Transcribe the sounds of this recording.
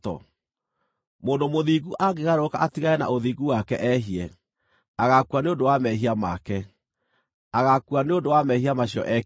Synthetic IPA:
tɔ̰ | moːndomoðiɣuʔaɡeɣaɾokaʔatiɣaɛna̰ʔoðiːɡuwakɛ̰ʔɛɦiɛ | aɣakuaneondowamɛɦiamakɛ | aɣakuaneondowamɛɦiamaɕjɔ̰ʔɛ

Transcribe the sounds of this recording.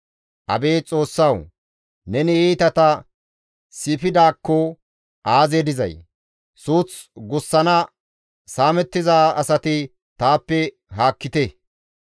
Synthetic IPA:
ʔɐ̰be̞ːt͡sʼo̞ːsːɐw | nɛnɪiːt̪ɐt̪ɐ | sɪpɪd̪aːkːɔ | ʔaːzeːd̪ɪzɐ̰j | suːt͡sɡʊsːɐnɐ | saːmɛt̪ːɪzaːɐsɐt̪ɪ | t̪aːpːɛ | ɦaːkːɪt̪e

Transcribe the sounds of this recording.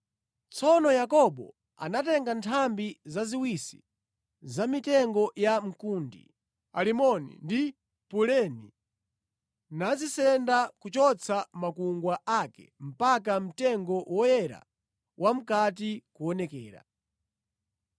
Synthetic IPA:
t͡sʰɔnɔjakɔɓɔ̰ | a̰natɛŋɡantʰambizaziwisi̥̰ | zamitɛŋɡɔjam̩kundḭ | a̰limɔnḭndi | pulɛni | nad͡zisɛndakut͡ʃɔt͡sʰamakuŋɡwaʔakɛ̰m̩pak̬am̩tɛŋɡɔwɔjɛɾa̰ | wʔam̩kat̬ikuɔnɛkɛːɾa̰

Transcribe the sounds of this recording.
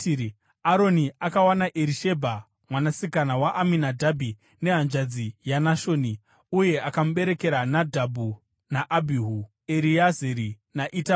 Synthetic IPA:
aɾo̞niakawanaʔeɾiʃe̞bʱa | mwanasikanawaʔaminadʱabʱi | ne̞ɦand͡ʒad͡zijanaʃo̞ni | uje̞akamuɓe̞ɾe̞ke̞ɾanadʱabʱu | naʔabʱiɦu | eɾiazeɾi | naʔita

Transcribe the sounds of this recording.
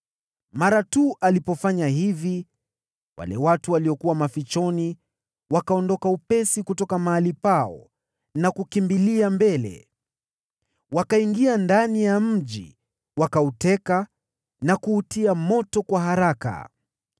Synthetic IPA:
maɾatuʔalipɔfaɲaɦivi | wʔa̰lɛwatuwaliɔkuwamafit͡ʃɔni | wakaɔndɔkaupɛsikutɔkamaːlipaɔ̰ | nakukimbiliambɛlɛ̰ | wakaiŋɡiandanijam̩ʄḭ | wakautɛka | nakuːtiamɔtɔkwaɦaɾaka̰

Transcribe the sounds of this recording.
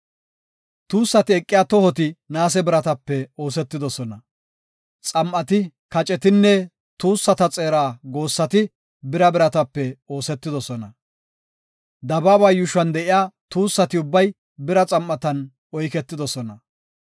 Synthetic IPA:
t̪uːsːɐt̪ɪɛkʼːɪjaːt̪ɔhɔt̪̬ɪnaːs̬ɛbɪɾɐt̪ɐpːɛo̞ːsɛt̪ːɪd̪ɔsɔnɐ | t͡sʼɐmʔɐt̪ɪ | kɐt͡ʃʼɛt̪ɪnːɛ | t̪uːsːɐt̪ɐt͡sʼeːɾaːɡo̞ːsːɐt̪ɪ | bɪɾɐbɪɾɐt̪ɐpːɛo̞ːsɛt̪ːɪd̪ɔsɔnɐ | d̪ɐbaːbɐːjʊʃɐnd̪ɛʔɪjaːt̪uːsːɐt̪ɪʊbːɐj | bɪɾɐt͡sʼɐmʔːɐt̪ɐn | ʔɔjkɛt̪ːɪd̪ɔsɔnɐ

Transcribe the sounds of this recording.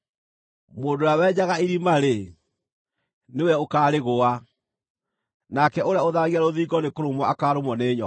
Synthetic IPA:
moːdoawɛɲaɣaiɾimaɾe | newɛokaːɾeɣoa | nakɛʔoɾeaoðaɣiaɾoðiːɡɔnekoɾomwɔakaːɾomɔneːɲɔ

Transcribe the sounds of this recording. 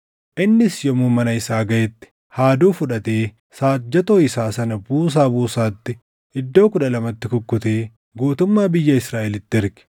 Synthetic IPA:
ʔɪnːɪsjɔmuːmɐnɐɪsaːɡɐjɛt̪ːɪ̥ | haːd̪uːfʊᶑɐt̪eː | saːt̪̚d͡ʒɛt̪oːɪsaːsɐnɐbuːs̬aːbuːsaːt̪ːɪ | ɪd̪ːo̞ːkʊᶑɐlɐmɐt̪ːɪkʊkːʊt̪eː | ɡuːt̪ʊmːaːbɪjːɐɪsɾaːʔɛlɪt̪ːɪɪɾɡɛ̥

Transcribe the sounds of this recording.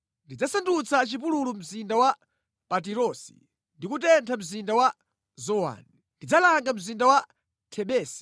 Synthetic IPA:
ndid͡zasandut͡sʰat͡ʃip̬ululum̩zindawa | pat̬iɾɔsi̥̰ | ndikutɛntʰam̩zindawa | zɔwa̰ni | ndid͡zalaŋɡam̩zindawa | tʰɛɓɛːsi̥

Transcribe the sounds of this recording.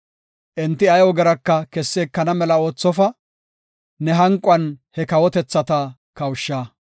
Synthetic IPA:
ʔɛnt̪ːɪɐjwɔɡɛɾɐkːɐkɛsːeːkːɐnɐmɛlɐo̞ːt͡sːɔfɐ | nɛɦɐŋkʼʊɐnhɛkɐwɔt̪ɛt͡sːɐt̪ɐ | kɐwʃːaː

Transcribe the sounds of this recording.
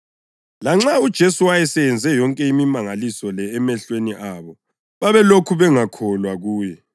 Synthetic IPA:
laŋ͡ǁaud̥ʒ̥ʱesuajɛsɛjɛnd͡zʱɛjɔŋkʼɛimimaŋalisɔlɛːmɛɬweniʔaːβɔ | βaβɛlokʰuβɛŋakʰɔlwaɣuːjɛ

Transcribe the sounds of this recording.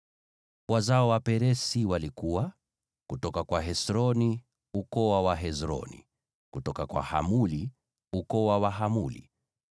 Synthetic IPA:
wazaɔwapɛɾɛsiwalikuwa | kutɔkakwaɦɛsɾɔni | ukɔwawaɦɛzɾɔ̰nḭ | kutɔkakwa̰ha̰muli | ukɔwawaɦamulḭ

